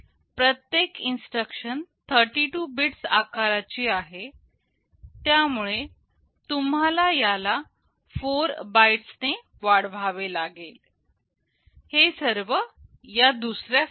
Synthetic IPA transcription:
pɾət̪jekinsʈɾəkʂənt̪ʰəɾʈiʈubiʈsa̰kaɾat͡ɕiːaɦe | t̪jamuɭe | t̪umɦalajala | foɾbaiʈsne | ʋaɽʋʱaʋelaɡel | hesəɾʋə | jad̪usɾja

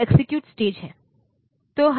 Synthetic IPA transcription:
eksikjuːʈsʈed͡ʒɦɛ | t̪oɦ

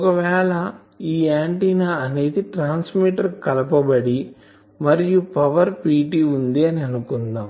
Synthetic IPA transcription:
ɔkɐʋɛːɭɐ | iːaːɳʈiːnaɐne̞ːd̪iʈɾaːnsmiːʈɐɾkɐlɐpɐbɐɽi | mɐɾijupɐʋɐɾpiːʈiːund̪iɐniɐnukund̪aːm

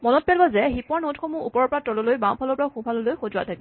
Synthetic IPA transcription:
mɔnɔt̚pɛlbazɛɦipɔɹnotxomuupɔɹɔɹpɔɹatɔlɔlojbãwpʰalɔpɔɹaxũpʰalɔlojxozʊwa̰tʰaki

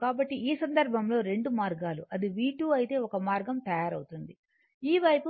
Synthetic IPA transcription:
kaːbɐʈːiʔiːsɐnd̪ɐɾbʱɐmlo̞ːɾe̞ɳɖumaːɾɡaːluʔɐd̪iʋiːʈuːɐjit̪e̞ːɔkɐmaːɾɡɐmt̪ɐjaːɾɐwt̪und̪i | iːʋɐjpu

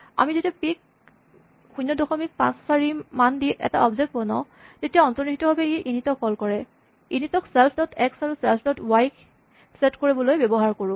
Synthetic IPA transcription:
a̰mizetiapik̚ | xujnːɔdɔxɔmik̚pã̰ssaɹimandiʔɛ̰ta̰ɔbzɛk̚t̚bɔnɔ | zetijaɔntɔnixitɔɦɔbɛeʔinitɔkʰːɔlkɔɹɛ | initɔksɛlpʰdɔtʰɛksaɹusɛlpʰdɔtwajk | sɛtkoɹibɔlojbebɔɦaɹkoɹʊ̃

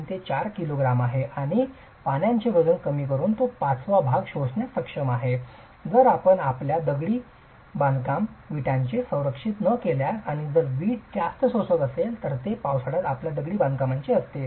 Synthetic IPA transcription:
t̪et͡ɕaɾkiloɡɾamaɦeaɽ̃i | panjãɲt͡ɕebəd͡zuːnkəmiːkəɾuːnt̪opat͡sʋabʱaɡɕosɳjasəkʂəmaɦe | d͡zəɾapəɳapljad̪əɡɽiː | bãnkamʋiʈjãɲt͡ɕesə̃w̃ɾəkʂit̪nəkeljaaɽ̃id͡zəɾʋiːʈ̚kjast̪sosəkəselt̪əɾt̪epawsaɽat̪apljad̪əɡɽiːbãnd̪̚kamaɲt͡ɕeəst̪e

